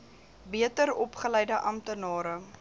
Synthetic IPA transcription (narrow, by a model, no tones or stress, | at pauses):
biətəɾɔpχəlɛjdəʔɐmtənɑːɾə